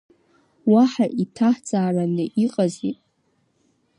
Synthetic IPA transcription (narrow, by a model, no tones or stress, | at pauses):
waħaʔitʰaħt͡sʼaːranɨʔiqʼazḭtʼ